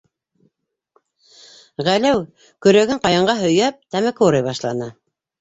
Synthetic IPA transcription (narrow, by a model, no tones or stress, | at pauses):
ʁælæw | kɵ̆ɾæɡɘɴqɑjɑɴɢɑɦɵ̆jæp̚t̪æmækuɾɤjβɑʃlˠɑnɤ